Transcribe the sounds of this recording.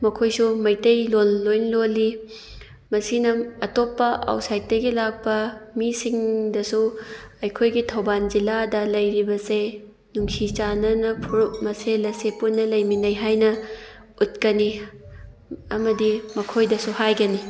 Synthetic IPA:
mɐkʰojsumɐjtɐjlonlojnloli | mɐsinɐɐtopːɐʔa̰wtsajt̚dɐɡilak̚pɐmisiŋdɐsuɐjkʰojɡitʰɐwband͡ʒiladɐlɐjɾibɐse | nuŋkʰit͡ʃanɐnɐpʰuɾumɐselɐsepunːɐlɐjminɐjɦajnɐ | ut̚kɐni | ɐmɐdimɐkʰojdɐsuhajɡɐni

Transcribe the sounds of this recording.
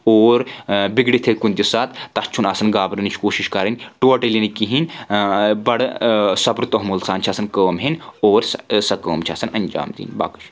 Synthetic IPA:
oːɾbiɡɽit̪ʰekunʲt̪isaːt̪t̪ɐst͡ʃʰunɐsɐnɡaːbɾɐnit͡ʃʰkoːʃiʃkɐɾɐnʲʈoːʈɐlinikiɦin | bɐɽsɐbɾt̪oɦmulsaːnt͡ʃʰɐsɐnkəːmɦinoːɾsɐkəːmt͡ʃʰiɐsɐnɐnʲd͡ʒa̰ːmd̪ḭːnba̰ːkɐ̥ʃʰ

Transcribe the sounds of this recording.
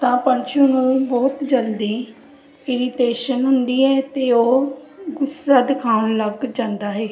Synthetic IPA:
t̪ãːpənt͡ʃʰunũːbɔːt̪d͡ʒəld̪iː | ɪɾiʈeːʃənɦʊnd̪iːɦɛːt̪eːoːɡʊsaːd̪ɪkʰaːɳləɡd͡ʒãːnd̪aːɦeː

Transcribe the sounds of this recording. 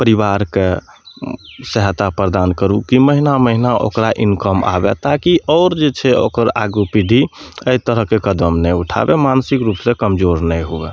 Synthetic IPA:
pəɾiβaɾke | səɦt̪apɾd̪ankəɾukiməɦinaməɦinaʔo̰kɾaʔinkəma̰bɛ̰t̪akiʔɔːɾd͡ʒet͡ʃʰɛo̰kəɾa̰ɡupid̪ʱiəit̪əɾəɦkekəd̪əmnɛjuʈʰa̰bemansikɾupsẽkəmd͡ʒoɾnɛjɦuɛ̰

